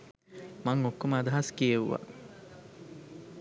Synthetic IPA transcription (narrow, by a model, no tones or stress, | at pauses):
mɐŋokːoməɐd̪ɐɦɐskijeʋṵʋa̰